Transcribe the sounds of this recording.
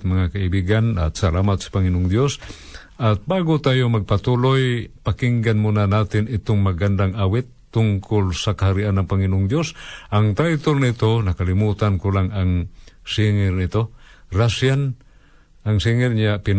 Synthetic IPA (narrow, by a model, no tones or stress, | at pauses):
t̪mɐŋakaibiɡana̰t̪̚salamat̪̚sḁpaŋɪnoʔʊŋd̪jos | ʔat̪̚baɡot̪aːjomɐɡ̚pat̪ulojpakiŋɡanmunanat̪ɪnɪt̪oŋmaɡand̪aŋʔawɪt̪ːʊŋkʰʊlsakahaɾiʔanːaŋpaŋɪnoʔʊŋd̪josʔaŋt̪ajt̪olnɪt̪onɐkalɪmuːt̪ankolaŋaŋsiŋɪɾnɪt̪orasjan | aŋsiŋɪrɲapɪn